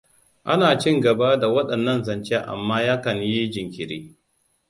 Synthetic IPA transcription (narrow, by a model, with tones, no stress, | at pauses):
ʔa˦naː˨t͡ʃɪ˦ŋɡɐ˨baː˦da˨wɐ˦ɗɐ˨nːɐ˦nzɐ˨nt͡ʃe˦ʔa̰˨mːaː˦jaː˦kɐ˨ɲji˦d͡ʒɪ˨ŋkʲɪ˨ɾiː˦